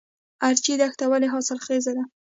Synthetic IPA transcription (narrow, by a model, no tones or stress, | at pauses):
aɾt͡ʃid̪axt̪awaleɦɑsɪlxezad̪a